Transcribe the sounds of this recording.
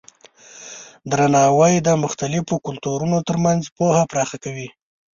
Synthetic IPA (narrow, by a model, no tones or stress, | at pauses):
d̪ɾanɑwajd̪əmʊxt̪alɪfokʊlt̪uɾunot̪əɾmanzpohapɾɑxakawi